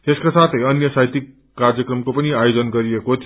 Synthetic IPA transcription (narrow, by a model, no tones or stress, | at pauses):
t̪eskasat̪ʰʌjʌnjʌsajt̪ikː | ard͡zjʌkrʌmkopʌniajod͡zʌnɡʌɾiekot̪ʰ